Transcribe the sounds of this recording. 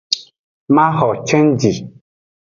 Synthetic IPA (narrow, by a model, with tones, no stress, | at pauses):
mã˦ɦɔ˨t͡ʃɛ˦nd͡ʒi˨